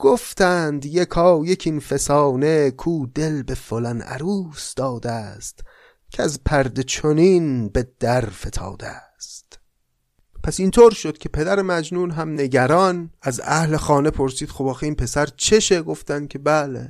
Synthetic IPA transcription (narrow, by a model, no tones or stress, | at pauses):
ɡ̥oft̪æːnd̪jekʰɒːjecʰinfesɒːne̞kʰuːd̪e̞lbe̞folænʔæ̰ɾuːsd̪̥ɒːd̪æst̪ | cʰeæzpʰæɾd̪et͡ʃʰoniːnbed̪̥æɾfe̞t̪ʰɒ̰ːd̪æ | st̪ | pʰæsint̪ʰoːɾʃod̪̥cʰe̞pʰe̞d̪æɾemæd͡ʒnuːnɦæmne̞ɟæɾɒːnæzæhle̞xɒːne̞pʰo̞ɾsiːd̪xobɒːxeiːnpʰe̞sæɾt͡ʃʰe̞ʃe̞ɡo̞ft̪ænd̪̥̚cʰe̞bælḛ